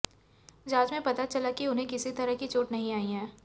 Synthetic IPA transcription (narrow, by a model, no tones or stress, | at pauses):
d͡ʒaːd͡ʒmẽpɐt̪at͡ʃɐlakiʊnɦẽkɪsit̪ɐɾəɦkit͡ʃoːʈnɐɦĩaːiɦɛ̃ː